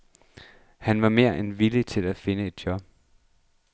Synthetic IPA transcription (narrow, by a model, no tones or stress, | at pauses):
hænʋɑ̈me̝ːɐ̰ʔenʋilit͡sʰe̝læfe̝nəe̝d̥̚jɒ̽b̥